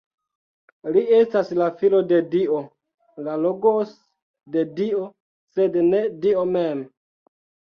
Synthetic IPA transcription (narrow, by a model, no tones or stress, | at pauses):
lie̞staslafilo̞de̞dio | laloɡos | de̞dio | se̞dne̞dio̞mem